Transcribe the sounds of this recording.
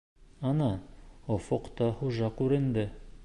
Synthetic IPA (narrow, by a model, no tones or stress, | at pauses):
ɑnɑofoqt̪ɑχuʒɑkʉɾɘ̆nd̪ɘ